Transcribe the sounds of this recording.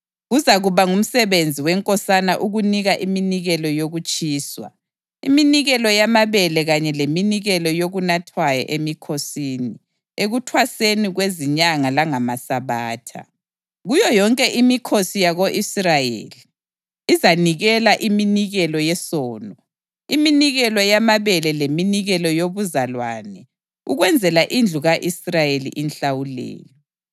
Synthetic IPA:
ɣuzaɣuβaŋum̩sɛβend͡zʱiwɛŋkʼɔsanaʔuɣuniɣaʔiminiɣɛlɔjoɣut͡ʃʼiːswa̰ | iminiɣɛlɔjamaβɛlɛɣaɲɛleminiɣɛlɔjoɣunatʰwajɔ̰ʔemikʰosiːni | eɣutʰwaseniɣweziɲaŋalaŋamasaβaːtʰa̰ | ɣujɔjɔŋkʼɛʔimikʰosijaɣoʔisrajḛːliː | zaniɣɛlaʔiminiɣɛlɔjɛsɔːnɔ | iminiɣɛlɔjamaβɛlɛleminiɣɛlɔjoβuzalwanɛ | uɣwɛnd͡zʱɛlaʔind͡ɮʱuɣaʔisrajelḭʔinɬawulɛ̰ːjɔ

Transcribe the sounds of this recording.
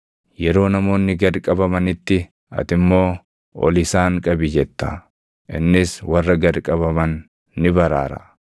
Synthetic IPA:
jɛɾo̞ːnɐmo̞ːnːɪɡɐɾkʼɐbɐmɐnɪt̪ːɪ | ɐ̰t̪ɪmːo̞ː | ɔ̰lɪsaːŋkʼɐbɪd͡ʒɛt̪ːɐ | ʔɪnːɪswɐrːɐɡɐɾkʼɐβɐmɐnː | ɪbɐɾa̰ːɾɐ̰

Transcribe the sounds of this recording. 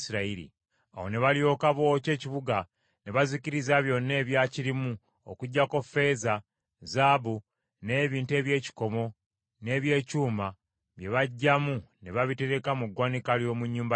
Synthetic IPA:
siɾaiɾḭ | a̰wo̞̰ne̞βaljo̞ːkaβo̞ce̞ːciβuɡa | neβaziciɾizaβjo̞nːe̞ːβjaciɾimu | o̰kuɟːako̞fe̞ːza | zabu | ne̞ːβiːntue̞ːβje̞ːci̥ko̞mo̞ | ne̞ːβje̞ːcuːma | βje̞βaɟːamuneβaβite̞ɾe̞kamuɡwaːnikaljo̞ːmuɲːuːmba

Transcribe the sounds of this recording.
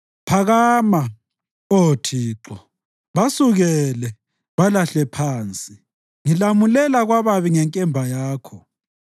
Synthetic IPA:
pʰaɣaːma | otʰiːǁɔ | βasuɣɛlɛ | βalaɬɛpʰaːnt͡sʼi | ŋilamulɛlaɣwaβaβiŋɛŋkʼɛmbʱajaːkʰɔ

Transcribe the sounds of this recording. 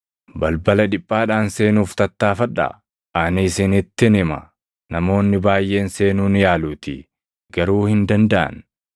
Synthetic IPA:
bɐlbɐlɐᶑɪpʼːaːᶑaːnse̞ːnuːft̪ɐt̪ːaːfɐᶑːa̰ | ʔaːnisɪnɪt̪ːɪnɪmɐ̰ | nɐmo̞ːnːɪbaːjʔe̞ːnse̞ːnuːnjaːluːt̪ɪ | ɡ̥ɐɾuːhɪnd̪ɐnd̪ɐʔɐ̰n

